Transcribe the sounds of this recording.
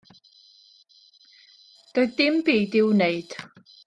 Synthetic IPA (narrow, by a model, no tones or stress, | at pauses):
d̥ɔɨdɪmbiːdɪwneɨd̥